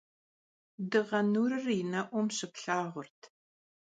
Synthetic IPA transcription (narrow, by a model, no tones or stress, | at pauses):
dɨʁɐnuːɾɨrinɐʔʷɔmɕɪpɬaːʁʷʊrtʰ